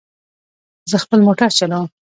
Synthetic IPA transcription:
zəxpəlmoʈaɾt͡ʃaləw

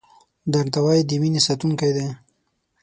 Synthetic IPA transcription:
d̪aɾt̪awajid̪iminisat̪uŋkajd̪e

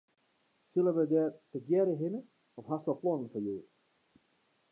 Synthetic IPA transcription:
sɪləʋədɛːrtəɡjɛɾəɦɪnə | ɔfɦastʋəplɔnənfɔjøː

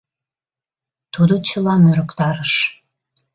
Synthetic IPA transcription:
t̪ud̪ot͡ɕəlɑmøɾəkt̪ɑɾəʃ

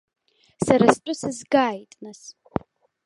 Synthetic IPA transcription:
saɾast͡pʷʼʊsɨzɡaːjtʼnas

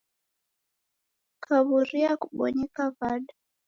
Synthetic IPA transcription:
kʰaβuɾiakuɓɔ̰ɲɛkaβaɗa

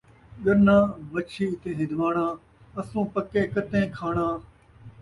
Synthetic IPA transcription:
ɠəɾnãːmət͡ʃʰiːɪt̪ẽːɦɪ̃d̪ʋaːɳãː | əsũːpəkẽːkət̪ẽːkʰaːɳãː

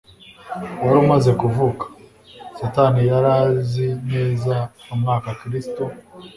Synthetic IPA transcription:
waɾumaze̞kuvukḁ | satanijaɾaːzineːzaumŋaːkakɾisto

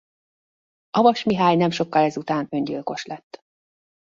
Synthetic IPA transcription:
ɒvɒʃmiɦaːɲnɛmʃo̞kːɒlɛzut̪aːnø̞ɲɟilko̞ʃlɛt̪ː

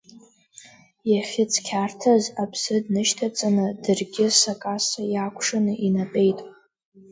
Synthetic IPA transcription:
jaχʲɪt͡sʼʰkʲʰartʰazapʰsɨdnɨʃtʰat͡sʼanɨdɨrɡʲɪsakʼasajakʷʰʂanɨʔinapʼe̞jtʼ

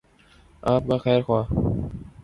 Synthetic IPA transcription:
aːp̚kaxɛːɾxwaː

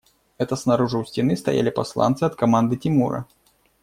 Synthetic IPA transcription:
ɛt̪ɐsnɐɾuʐɨʊsʲtʲɪnɨst̪ɐ̰ja̰lʲɪpɐslˠa̰nt̪sɨɐt̪kɐmand̪ɨtʲɪmurɐ̰

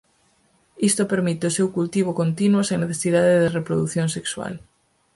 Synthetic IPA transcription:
ist̪opeɾmit̪eosewkult̪iβ̞okont̪inwosẽŋneθesiðaðeðɪrepɾoðuθjoŋsekswa̰l

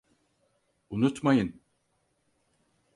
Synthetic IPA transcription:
unut̪majɯn

